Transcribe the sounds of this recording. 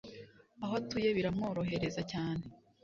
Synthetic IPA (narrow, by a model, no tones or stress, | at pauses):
aɦoatujeβiɾamo̞ːɾo̞ɦe̞ɾe̞zacaːne